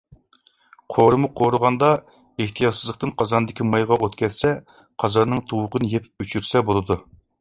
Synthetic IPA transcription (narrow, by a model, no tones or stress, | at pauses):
qʰoɾɨmuqʰoɾʊʁɑnd̪ɑ | eht̪ʰijɑt̪sɨzlˠəq̚t̪ɨnqʰɑzɑnɨd̪ɪkʲimɑjʁɑʔot̪kʲʰɛt̪sɛ | qʰɑzɑnnːɨŋt̪ʰuwʊqənɨjepyt͡ʃʰyɾsɛbolˠɨd̪u